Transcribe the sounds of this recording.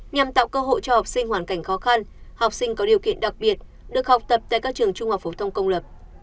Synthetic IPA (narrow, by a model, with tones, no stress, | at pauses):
ɲa˨˩mt̪a̰ː˧˨wkəː˧ɦo̰˧˨jt͡ɕɔ˧ha˨˩wk͡p̚sï˧ŋhwaː˧˩nka˧˩jŋ̟xɔ˨˦xa˧nha˨˩wk͡p̚sï˧ŋ̟kɔ˨˦ɗi˨˩əwkḭ˧˨ənɗa˨˩k̚ɓi˨˩ət̚ | ɗɨ˨˩ək̚ha˨˩wk͡p̚t̪ə˨˩p̚t̪aː˧˨kaː˦˥k̚t͡ɕɨ˨˩əŋt͡ɕʊ˧ŋ͡mha˨˩w̚k͡pfo˨˦t̪ʰə˧wŋ͡mkə˧wŋ͡mlə˨˩p̚